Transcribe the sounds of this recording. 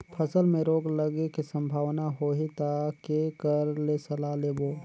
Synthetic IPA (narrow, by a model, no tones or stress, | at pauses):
pʰəsəlmẽɾoːɡləɡekisə̃mbʱaːʋnaɦoːɦet̪akekəɾlesəlaleːboː